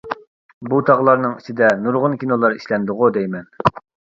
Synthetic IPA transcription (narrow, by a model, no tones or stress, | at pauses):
but̪ʰɑʁlˠɑɾnɨŋit͡ʃʰid̪ɛnuɾʁʊnkʲinolˠɑɾiʃlɛnd̪ʊʁʊd̪ejmɛn